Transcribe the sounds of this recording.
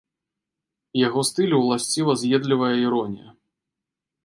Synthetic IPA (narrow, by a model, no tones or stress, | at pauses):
jaɣɔst̪ɨlʲuwlˠasʲt͡sʲivɐzʲjɛd̪lʲivɐjɐiɾɔnʲijɐ̰